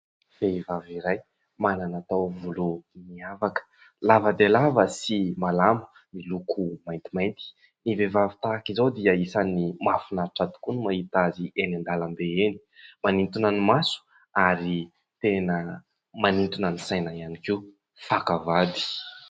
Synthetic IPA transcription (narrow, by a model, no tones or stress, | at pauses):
fevaviɾaj | mananat̪awvuluniavakə̥ | lavəd̪elavəsimalambə̥ | nilukʰumajnt̪imajnt̪i̥ | nivevavi̥t̪aːkizawd̪iəisanimafunaɾʈ͡ʂad̪u̥kunimahit̪azienind̪alambeeni̥manint̪unənimasu̥ | aɾi | t̪enə | manint̪unənisajnaianikiu | fakavad̪i̥